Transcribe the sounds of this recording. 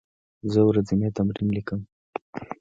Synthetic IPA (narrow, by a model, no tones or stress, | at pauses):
zəwɾazimet̪amɾimlikəm